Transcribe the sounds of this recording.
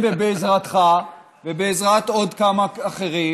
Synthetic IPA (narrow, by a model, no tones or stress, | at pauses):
vebeːzʁat̪χa | vebeːzʁat̪o̞d̪kamaaχeʁi